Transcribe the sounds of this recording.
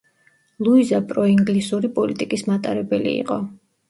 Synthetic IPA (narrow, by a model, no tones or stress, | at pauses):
lˠuizapʼɾɔiŋɡlisuɾipʼɔlit̪ʼikʼismat̪ʼaɾɛbɛlḭḭqʼɔ